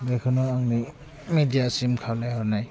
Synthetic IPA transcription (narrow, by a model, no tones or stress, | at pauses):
bekʰɯnɔaŋni | midijasimkʰawlajhɔnaj